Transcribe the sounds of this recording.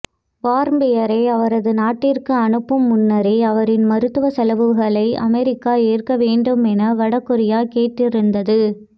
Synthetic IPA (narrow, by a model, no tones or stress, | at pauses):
ʋaːɾmbɪjɐɾɐɪɐʋɐɾɐðɯnaːʈːɪrkɯɐnɯpːɯmːʊnːɐɾɪɪɐʋɐɾɪnmɐɾɯt̪ːɯʋɐsɐlɐʋɯɣɐɭɐɪʔɐ̰mɛɾɪkːaːeːrkɐʋeːɳɖɯmɛnɐʋɐɽɐkːɯɾɪjaːkeːʈːɪɾɯnd̪ɐðɯ